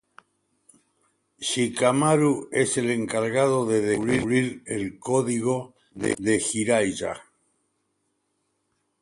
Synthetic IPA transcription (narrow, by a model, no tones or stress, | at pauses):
ʃikamaɾueseleŋkaɾɣaðoðeðeβɾiβɾiɾelkoðiɣ̞o̞ | ðḛðexiɾajʒa̰